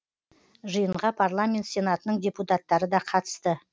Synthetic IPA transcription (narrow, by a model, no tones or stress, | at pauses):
ʒəjəɴʁɑpʰarlˠamʲe̞nt̪sʲe̞nat̪ənəɴdʲe̞put̪at̪ːɑɾəd̪ɑqʰɑt̪ə̥st̪ə